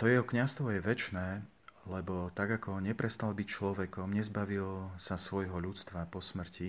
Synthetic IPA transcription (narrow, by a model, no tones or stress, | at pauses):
t̪ɔjɛɦɔkɲast̪ʋɔjɛʋɛt͡ʃnɛː | lɛbɔt̪aɡakʰɔɲɛpɾɛst̪albict͡ʃlɔʋɛkɔmɲɛzbaʋilsasʋɔjɦɔʎut͡st̪ʋapɔsmr̩ci